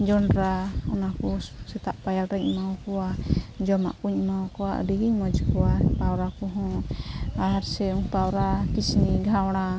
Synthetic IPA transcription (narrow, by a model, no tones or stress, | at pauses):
d͡ʒɔɳɖɾaɔnakɔsɛt̪aʔpajalɾɛɲmawkɔwad͡ʒɔma̰ʔkuɲmawkɔwaʔə̰diɡiɲmɔd͡ʒkɔwapawɾakɔɦɔ̃ | aɦaɾsɛuŋpawɾakisniɡʱawɽ̃a